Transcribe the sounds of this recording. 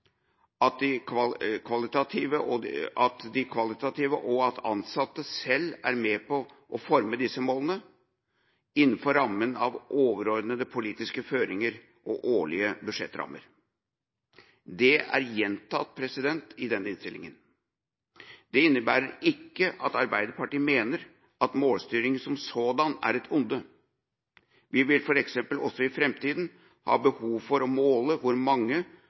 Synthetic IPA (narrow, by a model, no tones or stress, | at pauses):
ɑt̪̚d̪ɪkʰʋɑlɪt̪ɑt̪ʰiːʋəɑt̪d̪ɪkʰʋɑlɪt̪ɑt̪ʰiːʋəʔɔɑt̪ʰɑnsɑt̪ːəsɛlːæ̰ɾmɛpɔ | ʔɔfɔɾməd̪ɪsːəmoːlənə | ɪnːn̩fɔɾːɑmːənɑʋʔoːʋəɾɔɾd̪nəd̪əpʰʊliːt̪ɪskəføːɾɪŋəɾ | ʔɔʔoːɭɪəbʉʂɛ̰t̪ːɾɑ̰mːə̰ɾ | d̪ɛæ̰ɾjɛnt̪ʰɑt̪̚pʰɾɛsɪd̪ɛnt̪ɪd̪ɛnːɪnst̪ɪlɪ̰ŋən | d̪ɛɪnːəbæːɾəɾɪkːəʔɑt̪ɑɾbæɪd̪əɾpɑʈiːəmeːnəɾ | ɑt̪moːlst̪yːɾɪŋsɔmsoːd̪ɑnæ̰ɾɛt̪ʰʊnd̪ə | ʋɪʋɪlfɔɾɛksɛmpəlɔ̰sɔɪfɾɛmt̪ʰiːd̪n | hɑ̰ːbəhuːʋfɔɾɔmoːləʋʊɾmɑŋːə